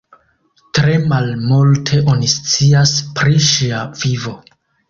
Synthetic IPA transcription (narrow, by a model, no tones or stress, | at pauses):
tɾe̞malmultʰe̞ʔo̞nist͡siaspɾiʃiavivo̞